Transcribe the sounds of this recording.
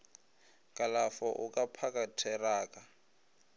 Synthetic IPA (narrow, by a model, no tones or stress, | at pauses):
kʼalafɔʔukʼapʰakʼatʰɛraːkʼa